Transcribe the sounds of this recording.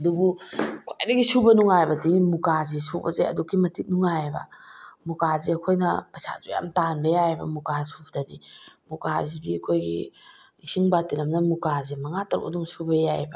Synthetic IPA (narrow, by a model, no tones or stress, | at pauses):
ɐdubukʰajdɐɡisubɐnuŋajbɐdimukazisubɐ̰zḛɐ̰dukːimɐtit̚nuŋajbɐ̰mukaziɐkʰojnɐpɐsa̰zuja̰mtanbɐjajbɐ̰mukasubdɐdimukazibikʰojɡḭ | isiŋbatilɐmnɐmukazimɐŋatɐɾo̰duŋsubɐjajbɐ